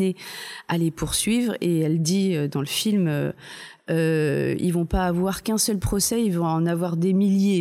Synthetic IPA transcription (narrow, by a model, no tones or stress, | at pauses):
ealepuʁsɥivʁeɛld̪iød̪ɑ̃ləfilmø | øḭlvɔ̃paːvwaʁkɛ̃sœlpχɔsɛilvɔ̃ɑ̃navwaʁd̪emilje